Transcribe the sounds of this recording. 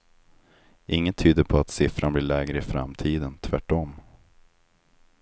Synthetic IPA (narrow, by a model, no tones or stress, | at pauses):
ʔɪŋːənt̪ʰyːd̪əpʰɔat̪sɪfɾanblɪːɭɛːɡɾəɪfɾa̰mt̪ʰiːd̪ənt̪ʰvæʈːɔmː